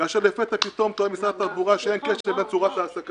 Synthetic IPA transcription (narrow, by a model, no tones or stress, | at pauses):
aʃelefet̪apit̪o̞mt̪oemisat̪aʁbuʁaʃeenkeʃlebent͡suʁat̪aːsaka